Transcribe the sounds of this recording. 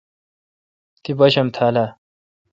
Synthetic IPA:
t̪ibɐɕɐmt̪ʰaːla

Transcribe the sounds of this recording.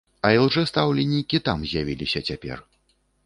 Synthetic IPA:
ɐiwʐɛst̪awlʲɛnʲːikʲit̪amzʲjavʲilʲisʲɐt͡sʲapʲɛ̰r

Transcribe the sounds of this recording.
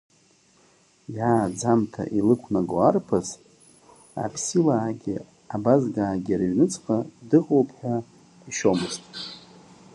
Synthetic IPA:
jaːd͡zamtʰa̰ʔilɨkʷʰnaɡoarpʰaz | a̰pʰsilaːɡʲi | abazɡaːɡʲiaɾɥnɨt͡sʰʼqʼadɨqʼowpʰħᶣa | iʃo̞mɨztʼ

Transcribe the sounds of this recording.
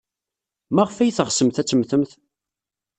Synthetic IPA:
mæʁfæjθəʁsəmθæt͡sːəmθəmθ

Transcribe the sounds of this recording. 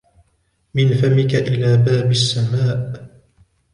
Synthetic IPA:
mɪnfamɪkaʔɪlaːbaːbasːamaːʔ

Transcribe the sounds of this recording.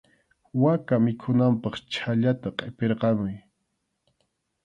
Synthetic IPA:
wakamɪkʰʊnampɑχt͡ʃʰaʎat̪aqʼepeɾqɑmʊj

